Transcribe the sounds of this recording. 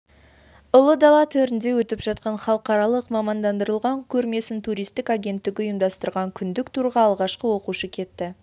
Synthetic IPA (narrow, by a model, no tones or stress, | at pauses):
ʊlˠəd̪ɑlˠɑt̪ʰɵɾɪnd̪e̞wɵt̪ɪpʒɑt̪̚qɑnχɑlˠəqɑɾɑlˠəqmɑmɑnd̪ɑnd̪əɾəlˠʁɑŋkʲʰɵɾme̞sɪnt̪ʰuɾijst̪ɪkaɡʲe̞nt̪ːɪkʲɪʊjəmd̪ɑst̪əɾʁɑŋkʲʰʏnd̪ɪkt̪ʰuɾʁɑɑːlˠʁɑʃqəwo̞quʃəkʲʰe̞t̪ːɪ